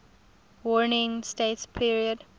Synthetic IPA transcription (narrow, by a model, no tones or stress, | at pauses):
wɔɹnɪ̃ŋstetspʰiɹiəd